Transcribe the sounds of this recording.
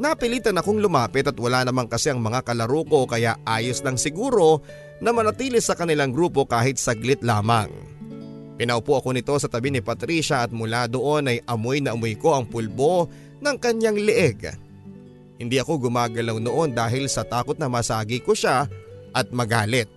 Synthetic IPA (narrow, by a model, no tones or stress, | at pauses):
nɐpɪliːt̪ɐnɐko̞ŋlʊmaːpɛt̪ɐt̪wɐlaːnɐmaŋkɐsɛʔɐŋmɐŋakɐlɐɾuːko̞kɐjaʔaːjoslɐŋsɪɡuːɾo̞ | nɐmɐnɐt̪iːlɪsɐkɐnɪlaŋɡɾuːpo̞kaːhɪt̪̚sɐɡlɪt̪laːmɐ̰ŋ | pɪnɐʊpuɐko̞nɪt̪o̞sɐt̪ɐbinɪpɐt̪ɾiːʃɐʔɐt̪̚mʊlad̪o̞ʔo̞nɐjɐmo̞jnɐʔɐmojko̞ʔɐŋpʊlbo̞ | nɐŋkɐɲaŋlɪʔɛɡ | hɪnd̪iʔɐko̞ɡʊmaːɡɐlawno̞ʔo̞nd̪aːɦɪlsɐt̪aːkot̪nɐmɐsaːɡikoʃaʔɐt̪̚mɐɡaːlɪt̪̚